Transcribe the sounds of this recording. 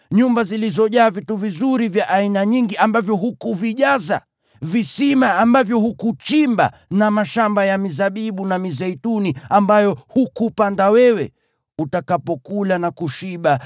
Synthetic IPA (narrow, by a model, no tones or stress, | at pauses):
ɲumbazilizɔʄaːvituvizuɾivjaʔainaɲiŋɡiʔambavjɔɦukuviʄaza̰ | visimaːmbavjɔhukut͡ʃimba̰ | namaʃambajamizaɓiɓunamizɛituniambajɔhukupandawɛwɛ | utakapɔkulanakuʃiɓa